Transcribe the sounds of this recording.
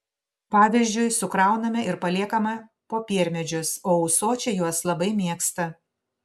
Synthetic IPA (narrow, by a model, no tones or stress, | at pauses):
pɑːʋʲɪzʲd͡ʒʲʊɪsʊkɾɑˑʊnɐmʲɛʔɪɾpɐlʲiɛkɐmɐ | poːpʲiɛɾʲmʲɛd͡ʒʲʊsoːɐʊsoːt͡ʃʲɛjuɔslˠɐbɐɪmʲiɛkst̪ɐ